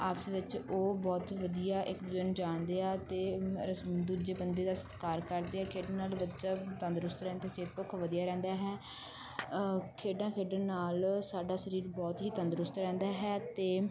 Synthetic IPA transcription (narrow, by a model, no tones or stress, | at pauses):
aːpsʋɪt͡ʃoːbɔːt̪ʋəd̪ijaːʔɪkd̪ənd͡ʒaːnd̪eːaːt̪eː | d̪uːd͡ʒeːbənd̪eːd̪aːsə̥t̪kaːɾkəɾd̪eːaːkʰeːɖənaːlʋət͡ʃaːt̪ə̃nd̪ɾʊst̪ɾɛ̃ːnd̪eseːt̪̚pʊkʰʋəd̪ijaːɾɛ̃ːnd̪aːɦɛː | kʰeːɖãːkʰeːɖənːaːlsaːɖaːʃəɾiːɾbɔːt̪ɦiːt̪ə̃nd̪ɾʊst̪ɾɛ̃ːnd̪aːɦɛːt̪eː